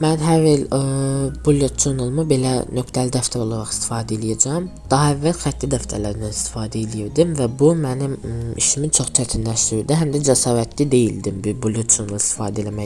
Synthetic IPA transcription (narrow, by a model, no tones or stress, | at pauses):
mænɦæɾel | bulʲjot̪̚d͡ʒonɯlˠmɯbe̞lænø̞kt̪ʰælid̪æft̪ʰæɾo̞lˠɑɾɑχi̥st̪i̥fɑːd̪æelʲijæd͡ʒæm | d̪̥ɑɦɑævːælxæt̪ːlid̪æft̪ʰælæɾinænist̪ʰi̥fɑːd̪æelijiɾd̪imvæbumænimḭʃimit͡ʃʰo̞χt͡ʃʰæt̪ʰinlæʃt̪iɾid̪iɦæmd̪æd͡ʒæsɑːɾæt̪ʰlid̪e̞jild̪imbiɾbulʲˠjot̪̚d͡ʒʰonlˠist̪i̥fɑːd̪æelæmæ